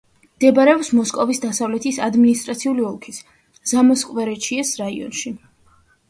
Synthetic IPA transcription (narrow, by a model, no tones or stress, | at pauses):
md̪̥ɛbaɾɛɔpsmɔskʼɔvisd̪asavlɛt̪ʰisad̪minist̪ʼɾat̪sʰiuliɔlˠkʰis | z̥amɔskʼvɛɾɛt͡ʃʰiɛsɾaḭɔ̰nʃi